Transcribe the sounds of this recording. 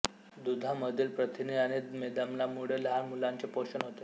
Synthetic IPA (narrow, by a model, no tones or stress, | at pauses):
d̪ud̪ʱaməd̪ʱiːlpɾət̪ʰiniañid̪med̪amlamuɽ̤elɦamulaɲt͡ɕepoɕənɦot̪e